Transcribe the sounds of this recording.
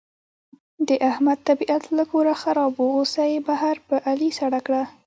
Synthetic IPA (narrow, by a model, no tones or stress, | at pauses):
d̪əʔahmad̪̚t̪abiʔat̪lakoɾaxaɾɑboosajbaɦaɾpəʔalisaɽakɽa